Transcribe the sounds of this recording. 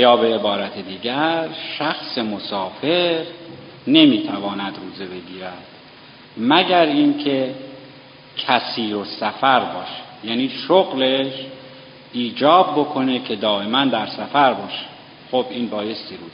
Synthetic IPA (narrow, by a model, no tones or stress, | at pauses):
jɒːbe̞ːbɒːɾæt̪ʰed̪iːɟæɾʃæxsemosɒːfe̞ɾ | ne̞miːt̪ʰævɒːnæd̪ɾuːzebe̞ɡiːɾæd̪̥ | mæɟæɾiːncʰe̞ | cʰæsiːɾo̞sæfæɾbɒːʃe̥jæːniːʃoɣleʃ | ʔiːd͡ʒɒːb̚ːo̞kʰo̞ne̞kʰe̞d̪ɒːe̞mænd̪æɾsæfæɾbɒːʃe̥ | xobʔiːnbɒːje̞st̪iːɾuː